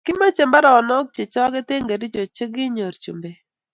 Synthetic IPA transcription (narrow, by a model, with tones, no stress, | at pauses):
kɪ˦ma˦t͡ʃe˨mba˦ɾa˨ɔ˨nɔ˦k̚t͡ʃe˨t͡ʃɔ˦ɡe˦te˦ŋɡe˨ɾi˦d͡ʒo˨t͡ʃe˦ɡɪ˦ɲo˨ɾt͡ʃṵ˨mbe˨